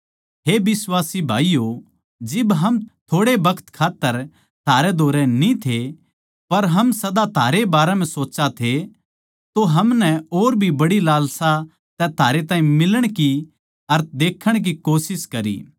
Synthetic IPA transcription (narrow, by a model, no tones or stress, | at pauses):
ɦeːbɪswaːsibʱaːijo | d͡ʒɪbɦɐmt̪ʰoːɽebɐkʰə̥t̪kʰaːt̪ːəɾ | t̪ʰaːɾed̪ʱoːɾɛnĩt̪ʰe | pɐɾɦɐmsɐd̪at̪ʰaːɾebaːɾɛmɛ̃soːt͡ʃat̪ʰe | t̪oɦɐmnɛoːɾbʱibɐɽilaːlsa | t̪ɛt̪ʰaːɾet̪̬aːĩmɪləɽ̃ki | ɐɾt̪̚ʰd̪eːkʰəɽ̃k̬ikoːsɪskɐɾḭː